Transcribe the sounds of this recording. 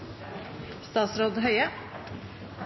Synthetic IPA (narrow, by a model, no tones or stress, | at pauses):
st̪ɑːt̪sɾoːd̪ɦœʏə